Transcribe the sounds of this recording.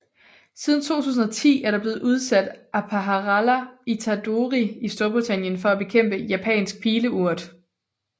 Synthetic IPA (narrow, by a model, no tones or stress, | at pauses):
sið̞ˠn̩t͡sʰo̝̰ːt͡sʰṵːs̬n̩ɐt͡sʰḭːæɐɾɑb̥le̝ːð̞̩ˠʔuð̞ˠsæd̥ʔæpʰæɦæʁælæit͡sʰæd̥oʁiisd̥o̝ɐb̥ʁit͡sʰæn̰jənfɒ̽æb̥e̝kʰem̰b̥əjæpʰɛ̰ːnsɡ̥̚pʰiːləuɐ̰d̥